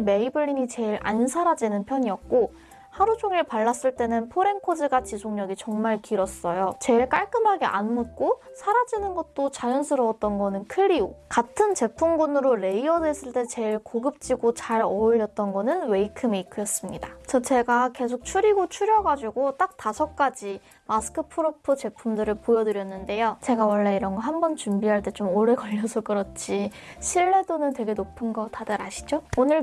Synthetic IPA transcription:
me̞ibɯɭːiɲit͡ɕe̞iɾʔa̰nsʰaɾad͡ʑinɯnpʰjʌɲiʌk̚k͈o | haɾut͡ɕʰoŋiɭpaɭːas͈ɯɭt͈e̞nɯnpʰoɾe̞nkʰod͡ʑɯɡat͡ɕisʰoŋɲʌɡit͡ɕʌŋmaɭkiɾʌs͈ʌjot͡ɕe̞iɭk͈aɭk͈ɯmɦaɡe̞ʔa̰nmut̚k͈o | sʰaɾad͡ʑinɯnɡʌt̚t͈ot͡ɕajʌnsʰɯɾʌʌt̚t͈ʌnɡʌnɯnkʰɯɾiokatʰɯnt͡ɕe̞pʰuŋɡunɯɾoɾe̞iʌdwe̞s͈ɯɭt͈e̞t͡ɕe̞ɭkoɡɯp̚t͡ɕ͈iɡot͡ɕaɾʌɭjʌt̚t͈ʌnɡʌnɯnwe̞ikʰɯmeikʰɯjʌs͈ɯmɲidat͡ɕʌt͡ɕe̞ɡake̞sʰok̚t͡ɕʰuɾiɡot͡ɕʰuɾjʌɡad͡ʑuɡot͈ak̚tasʰʌk̚k͈ad͡ʑi | masʰɯ̥kʰɯpʰɯɾopʰɯt͡ɕe̞pʰumdɯɾɯɭpojʌdɯɾjʌnːɯnde̞jot͡ɕe̞ɡawʌɭːe̞iɾʌnɡʌɦambʌnt͡ɕumbiɦaɭt͈e̞t͡ɕomoɾe̞kʌʎːʌsʰok͈ɯɾʌt̚t͡ɕ͈ʰiɕʰiɭːe̞donɯntwe̞ɡe̞nopʰɯnɡʌtʰadʌɾaɕʰi̥d͡ʑoonɯɭ

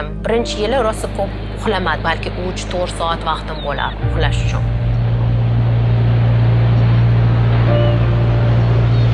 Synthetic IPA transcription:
mbɪɾɪnt͡ʃʰɪjɪlɪɾɒsakʰop | ʊχlamad̪ɪbalkʲʰɪʔʊt͡ʃt̪ʰoʁɾsɒat̪vɑqt̪ɪmbola̰ɾɪʊχlaʃʊ̥t͡ʃʰʊ̰n

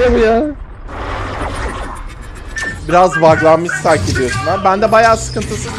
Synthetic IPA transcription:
abujaː | biɾazvaɡlˠanmɯssaɾced̪ijo̞sumaɾbænd̪ɛbajaːsɯ̥kɯnt̪ʰɯsɯ

